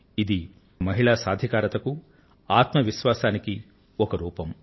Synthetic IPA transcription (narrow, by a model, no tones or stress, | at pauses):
id̪i | mɐɦiɭaːsaːd̪ʱikaːɾɐt̪ɐku | aːt̪mɐʋiʃʋaːsaːniki | ɔkɐɾuːpɐm